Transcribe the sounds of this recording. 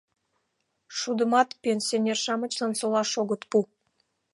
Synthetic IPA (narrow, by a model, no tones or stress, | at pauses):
ʃud̪ə̆mɑt̪pʲenʲsʲionʲerʃɑmə̆t͡ɕlɑnsolɑʃoɣə̆t̪pu